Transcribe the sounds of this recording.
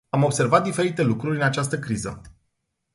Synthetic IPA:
amo̞bse̞rvat̪̚d̪ife̞ɾit̪e̞lukɾuɾʲɨnat͡ʃas̬t̪əkɾizə̰

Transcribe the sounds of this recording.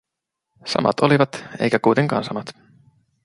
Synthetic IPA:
sɑ̰mɑ̰t̪o̞liʋɑt̪ḛjkækujt̪eŋkɑ̰ːnsɑmɑt̪

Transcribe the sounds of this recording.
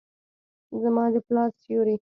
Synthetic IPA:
zamɑd̪əplɑsjuɾi

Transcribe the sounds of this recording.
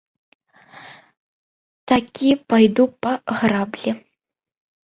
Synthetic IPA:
t̪akʲipajd̪upɐɣrablʲɛ

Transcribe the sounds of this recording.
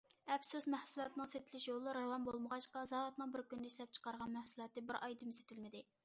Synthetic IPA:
ɛfsusmɛhsulˠɑt̪ɨnɨŋset̪ʰɪlɪʃjolˠɨɾɑwɑnbolˠməʁɑʃqɑzɑːɾɑt̪mɨŋbɪɾkʲynd̪ɪiʃlɛp̚t͡ʃʰə̥qɑɾʁɑnmæhsulˠɑːt̪ɨbɪɾɑjd̪ɨmse̥t̪ʰɪlmɪd̪ɪ

